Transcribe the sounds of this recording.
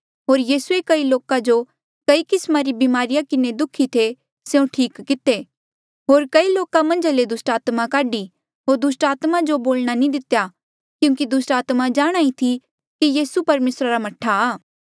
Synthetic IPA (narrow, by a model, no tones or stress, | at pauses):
ɦoːɾjiːsuekɐiloːkãd͡ʒo | kɐikɪsmaɾibimaːɾɪjakɪned̪ʊkʰːit̪ʰe | seũʈʰiːkːɪt̪e | ɦoːɾkɐiloːkamɐ̃nd͡ʒaled̪ʊsʈaːt̪makaːɖi | ɦoːɾd̪ʊsʈaːt̪mãd͡ʒoboːlɽ̃anĩd̪ɪt̪ja | kjũːkid̪ʊsʈaːt̪mad͡ʒaːɽ̃aːĩt̪ʰi | kijiːsupɐɾmeːsɾaɾamɐʈʰaaː